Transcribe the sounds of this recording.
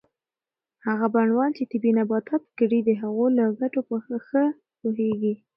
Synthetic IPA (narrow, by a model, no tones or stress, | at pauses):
haɣabaɳwɑnt͡ʃet̪ɪbinabɑt̪ʰapkəɽid̪əɦaɣolaɡaʈopəxəxə | puɦeɡi